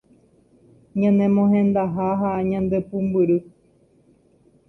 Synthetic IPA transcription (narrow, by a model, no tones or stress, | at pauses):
ɲãnẽmõhẽnd̪aɦaɦaɲãnd̪epumbɨɾɨ